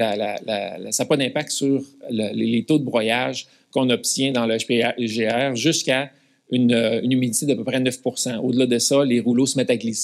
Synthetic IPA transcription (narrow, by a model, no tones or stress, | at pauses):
ala̰la̰saːpʌnɛ̃pak̚t̪syːʁləelet̪od̪əbʁɔjaʒ | kɔ̃nɔp̚t̪ʲjɛ̃d̪ɑ̃lʃpeʒeɛːʁʒʏskʲa | ynøynymid̪it̪ed̪apøpʁɛnœfpuʁsɑ̃od̪əlad̪əsʌleʁulosmɛt̪aklis